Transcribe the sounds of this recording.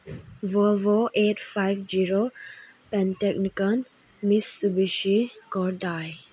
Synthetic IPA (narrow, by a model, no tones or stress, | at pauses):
vɔlvoʔetfajvd͡ʒiɹo | pɛ̃ntɛk̚nikən | misubiʃikɔɾdaj